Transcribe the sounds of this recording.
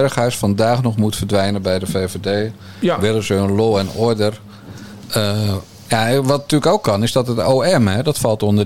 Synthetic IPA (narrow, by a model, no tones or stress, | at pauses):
rəxœɥsfɑndaːxnɔxmutfərdʋɛjnəbɛjdəveːvedeː | ʋɪlˠəzəənloːɛnɔɹdər | ə | jaʋɑtntyːləkowkʰːɑnɪzdɔtətoːɛmɛdɔtfɑlˠtondə